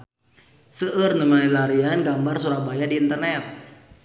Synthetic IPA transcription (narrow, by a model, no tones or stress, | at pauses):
səʔərnəmanilaɾianɡambarsuɾabajadiːnt̪ərnɛt̪̚